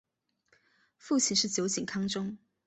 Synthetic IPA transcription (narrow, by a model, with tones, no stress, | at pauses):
fu˥˨t͡ɕʰi˧˥nʂɻ̩˥˩t͡ɕjo˧˥ʊt͡ɕi˨˩ŋkʰɑ˥ŋʈ͡ʂʊ˥ŋ